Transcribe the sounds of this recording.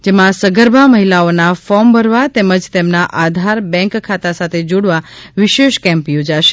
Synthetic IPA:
d͡ʒemãsəɡəɾbʱaməɦilaonafɔmbəɾʋat̪ɛməd͡ʒt̪emnaʔad̪ʱaɾbɛ̃ŋkkʰːat̪asat̪ʰed͡ʒoɽʋaʋiʃeʃkɛ̃mpjod͡ʒaʃe̥

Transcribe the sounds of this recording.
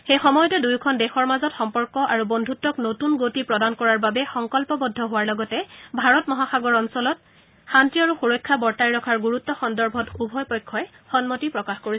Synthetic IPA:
xejxɔmɔjɔtɛdujkʰɔndɛxɔɹmazɔtxɔmpɔɹkɔʔaɹubɔndʱutɔknotunɡotipɹɔdankɔɹaɹbabɛxɔŋkɔlpɔbɔdʱːɔɦʊwaɹlɔɡɔtɛbʱaɹɔtmɔɦaxaɡɔɹɔnsɔlɔt̚ | xantiaɹuxuɹɔjkʰːabɔɹtajɹɔkʰaɹɡuɹutːɔxɔndɔɹbʱɔtubʱɔjpɔjkʰːɔɛ | xɔnmotipɹɔkaxkoɹisɛ

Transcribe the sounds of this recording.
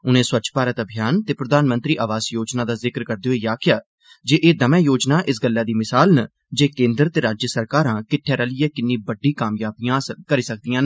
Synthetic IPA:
ʊnẽːswəːt͡ʃʰpaːɾət̪əbʱijaːnt̪eːpɾəd̪aːnmə̃nt̪ɾiːʔaːʋaːsjoːd͡ʒnãːd̪aːzɪkɾkəɾd̪eːɦoiːjaːkjaː | d͡ʒeːʔeːd̪əmɛ̃ːjoːd͡ʒnaːʔɪsɡəlːaːd̪iːmɪsaːlnə | d͡ʒeːkẽːnd̪əɾt̪eːɾaːd͡ʒjəsəɾkaːɾãːkɪʈʰːɛːɾəlɪjɛːkɪnːĩːbəɖiːkaːmjaːbijãːsəkəɾiːsək̚d̪ijãːn

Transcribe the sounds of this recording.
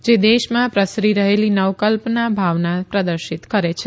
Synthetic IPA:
d͡ʒed̪eʃmãpɾəsɾiɾəɦelinəʋkəlpnabʱaʋnapɾəd̪əɾʃit̪kəɾet͡ʃʰe

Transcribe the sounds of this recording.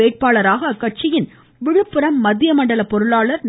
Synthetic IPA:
eːʈ̚paːɭɐɾaːɣɐkɐʈ̚t͡ʃɪjɪn | ʋɪɻɯpːɯɾɐmːɐðɪjɐmɐɳɖɐlɐpɔɾɯɭaːɭɐɾn

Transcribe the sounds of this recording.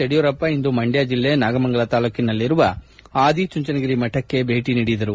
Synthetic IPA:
eɽijɔɾɐpːɐind̪umɐɳɖjaːd͡ʒilːenaːɡɐmɐŋɡɐɭɐt̪aːlukinɐlːiɾuʋɐ | aːd̪it͡ʃuɲt͡ʃɐnɐɡiɾimɐʈːɐkːe̞bʱeːʈiniːɽid̪ɐɾu

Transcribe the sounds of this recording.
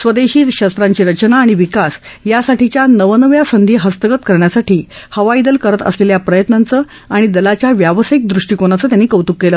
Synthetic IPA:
sʋəd̪eɕiːt̪ɕəst̪ɾaɲt͡ɕiːɾət͡ɕnaːɽ̃iʋikasjasaʈit͡ɕjanəʋənəʋjasənd̪ʱiːɦəst̪əɡət̪kəɾɳjasaʈʰiːhəʋaid̪əlkəɾət̪ə̰sleljapɾəjət̪nant͡səː | aɽ̃id̪əlat͡ɕjaʋjaʋəsəik̚d̪ɾuʂʈiːkoñat͡səːt̪janːiːkəwt̪ukːelə

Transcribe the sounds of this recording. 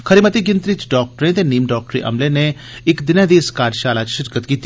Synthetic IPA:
kʰəɾiːmət̪iːɡɪnt̪ɾɪt͡ʃɖɔːk̚ʈəɾẽːt̪eːniːmɖɔːk̚ʈɾḭːʔə̰mlẽːneː | ɪkd̪ɪnãːd̪iːɪskaːɾʃaːlaːt͡ʃʃɪɾkət̪kiːt̪ːi

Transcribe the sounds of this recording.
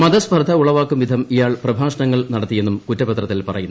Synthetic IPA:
mɐd̪ɐsbʱɐrd̪ʱɐuɭɐʋaːkːumʋid̪ʱɐmijaːɭprɐbʱaːʂɐɳɐŋːɐɭnɐɽɐt̪ːije̞nːumkutːɐpɐt̪rɐt̪ːilpɐrɐjunː

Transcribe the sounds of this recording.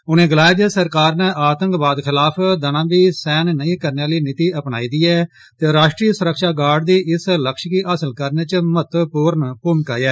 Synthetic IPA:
ʊnẽːɡəlaːjd͡ʒ̪əsəɾkaːɾneːʔaːt̪ə̃ŋkbaːd̪kʰɪlaːpʰd̪ənãːbiːsɛːnnəĩːkəɾnaːliːnɪt̪iːʔəpna̰ːiːd̪iːɛː | t̪eːɾaːʃʈɾiːsʊɾəkʃaːɡaːɖd̪iːʔɪsləkʃkiːʔəsəlkəɾneːt͡ʃmət̪puːɾənpʊmkaːjɛː

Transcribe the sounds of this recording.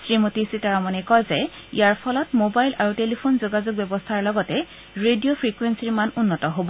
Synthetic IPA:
sɹimotisitaɹamanɛkɔjzɛ | ḭjaɹpʰɔlɔtmobajlʔaɹutelipʰonzoɡazok̚bjɛbɔstʰaɹlɔɡɔtɛ | ɹedijopʰɹikwensiɹmanunːɔtɔɦobɔ

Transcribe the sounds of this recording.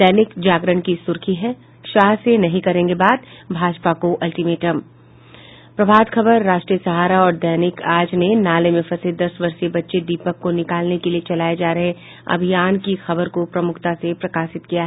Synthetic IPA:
d̪̥ɛːnɪkd͡ʒaːɡɾəɳkisʊɾkʰiɦɛ | ʃaːɦsenɐɦĩkɐɾẽːŋɡebaːd̪̚bʱaːd͡ʒpakoʔɐlʈimeːʈəm | pɾɐbʱaːd̪xʰɐbəɾːaːʃʈɾijəsɐɦaːɾaɔːɾd̪ɛːnɪkaːd͡ʒnenaːlemẽfɐsɪd̪ɐsʋɐɾsebɐtːʃed̪iːpəkːonɪkaːlnekeliet͡ʃɐlaːjed͡ʒaːɾɐɦẽ | ɐ̰bʱijaːnkixɐbəɾkopɾɐmʊkʰt̪asepɾɐkaːʃɪt̪kijaɦɛ

